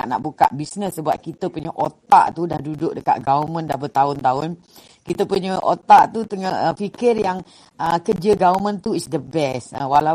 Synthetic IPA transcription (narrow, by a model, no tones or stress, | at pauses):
a̰ʔna̰ʔbuka̰ʔbisnəsːəbap̚kit̪əpuɲəʔot̪a̰ʔt̪udahdudʊʔ̚dəka̰ʔ̪̚ɡaumə̃ndahbət̪aʊnt̪aʊn | kit̪əpuɲəʔot̪aʔt̪ut̪əŋəəfikɪrjaŋ | əkəd͡ʒəɡaumə̃nt̪uisdəbɛsə̰wala